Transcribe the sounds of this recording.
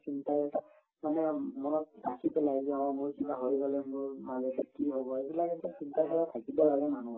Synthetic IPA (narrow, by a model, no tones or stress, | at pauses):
sintajɛta | manɛmɔnɔt̚asipɛlaɡaamuɹkitaɦoɹibɔlɛmʊɹmazɛbikiɦobɔebilakɛtasintakʰɔɹatʰakibɔlaɡɛmanu